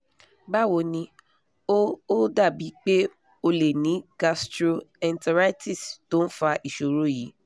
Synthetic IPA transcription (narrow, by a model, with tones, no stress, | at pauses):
ba˦˨wo˧nĩ˧ | o˦o˦da˦˨bi˨˦k͡pe˦ | o˧le˨nĩ˨˦ɡa˧stɾo˧ɛ˨˧nta˧ɾa˦ti˦˨sto˦n̩˦fa˧ʔi˨ʃo˨ɾo˨˦ji˨˦